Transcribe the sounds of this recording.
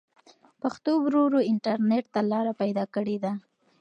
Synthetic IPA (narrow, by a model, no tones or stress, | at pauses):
paxt̪owɾoɾoɪɳʈaɾneʈ̚t̪alɑɾapajd̪ɑkəɽed̪a